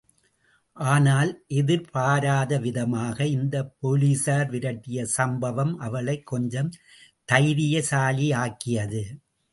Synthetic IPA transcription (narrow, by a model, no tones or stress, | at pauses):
ʔaːnaːlʔɛðɪɾpaːɾaːðɐʋɪðɐmaːɣɐɪnd̪ɐpːoliːsaːɾʋɪɾɐʈːɪjɐsɐmbɐʋɐmʔɐʋɐɭɐɪkːɔɲd͡ʒɐm | t̪ɐɪðɪjɐsaːliaːkːɪjɐðɯ